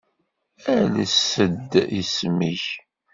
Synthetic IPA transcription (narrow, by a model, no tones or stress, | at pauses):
æləsəd̪ismiç